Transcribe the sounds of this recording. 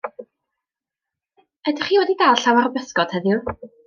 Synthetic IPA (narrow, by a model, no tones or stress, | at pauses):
ɛdɪχiːwɛdidaːlˠɬawaɾbɛskɔd̥hɛðjʊ